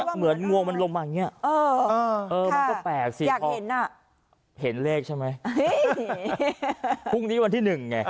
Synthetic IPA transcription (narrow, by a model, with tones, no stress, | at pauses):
mɯ˩˦ənŋu˧əŋma˧nlo˧ŋmaː˧˩˨ŋːi˦˥ɐ˨˩ʔɤː˧ʔɤː˧ma˧nɔː˥˩pɛː˨˩k̚si˨˧jaː˨˩kpʰɔ˧he˨˩˦na˥˩ | he˩˦nleː˥˩k̚t͡ɕʰa˥˩jma˦˥j | u˥˩ŋniː˦˥wa˧nt̪ʰiː˥˩nɯ˨˩ŋːa˧˩